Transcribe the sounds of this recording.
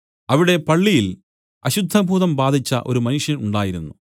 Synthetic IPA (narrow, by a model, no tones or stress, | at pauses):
ɐʋiɽe̞pɐɭːijil | ɐɕud̪ʱːɐbʱuːðɐmbaːd̪ʱit͡ɕːɐ̰ʔo̞ɾumɐnuʂjɐnuɳɖaːjiɾunːu